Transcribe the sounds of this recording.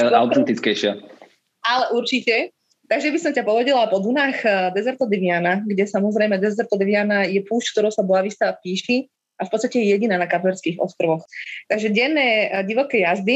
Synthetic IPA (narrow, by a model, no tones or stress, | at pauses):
aʊt̪ɛnt̪it͡skɛjʃɪa | alɛʔuɾt͡ʃicɛ | t̪aɡʒɛbisɔmcapɔʋɛɟɛlapɔd̪unaːxd̪ɛzɛɾt̪ɔd̪iʋianaɡɟɛsamɔzɾɛjmɛd̪ɛzɛɾt̪ɔd̪iʋianajɛpuːʃckt̪ɔɾɔʊsabɔaʋist̪aapiːʃi | afpɔtt͡sst̪acɛjɛjɛɟinaːnakapɛɾskiɣɔ̰st̪ɾɔʋɔxt̪aɡʒɛɟɛnːɛːɟiʋɔkɛːjazd̪i